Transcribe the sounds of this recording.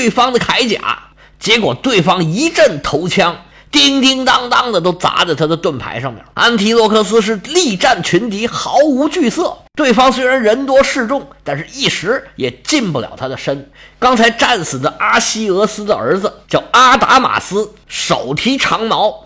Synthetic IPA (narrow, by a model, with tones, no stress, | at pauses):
e˥˩ɪfɑ˥ŋd̪ə˨kʰa˧˥ɪt͡ɕja̰˨˩˦ | t͡ɕjɛ˧˥kwɔ˨˩t̪we˥˩ɪfɑ˥ŋi˧˥ʈ͡ʂə˥˩nt̪ʰo˧˥ʊt͡ɕʰjɑ˥ŋ | t̪i˥ŋt̪i˥ŋt̪ɑ˥ŋt̪ɑ˥ŋd̪ə˨t̪̬o˥ʊt͡sa̰˧˥ʈ͡ʂə˧˩t̪ʰa˥d̪ə˨t̪wə˥˩npʰa̰˧˥ɪʂɑ˥˩ŋmə̰˩a˥nt̪ʰi˧˥lwɔ˥˧kʰɤ˥˧sɹ̩˥ʂ̬ɻ̩˥˧li˥˧ʈ͡ʂa˥˩nt͡ɕʰy˧˥nt̪i˧˥xɑ˧˥ʊu˧˥t͡ɕy˥˧sɤ˥˩t̪we˥˩ɪfɑ˥ŋswe˥ɪɻa˧˥nɻə˧˥nt̪wɔ˥ʂɻ̩˥˧ʈ͡ʂʊ˥˩ŋt̪a˥˧nʂɻ̩˥˧i˥˩ʂɻ̩˧˥jɛ˨˩t͡ɕi˥˧npu˥˩ljɑ̰˨˩ʊt̪ʰa˥d̪ə˨˩ʂə˥nkɑ˥ŋt͡sʰa˧˥ɪʈ͡ʂa˥˩nsɹ̩˨˩d̪ə˦ʔa˥ɕi˥ɤ˧˥sɹ̩˥d̪ə˨ə̰˞˧˥d͡z̩˧t͡ɕjɑ˥˩ʊa˥t̪a̰˧˥ma̰˨˩sɹ̩˥ | ʂo̰˨˩ʊt̪ʰi˧˥ʈ͡ʂʰɑ˧˥ŋmɑ˧˥ʊ